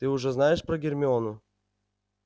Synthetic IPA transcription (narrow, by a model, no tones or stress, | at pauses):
t̪ɨʊʐɛznajɪʂpɾɐɡʲɪrʲmʲɪonʊ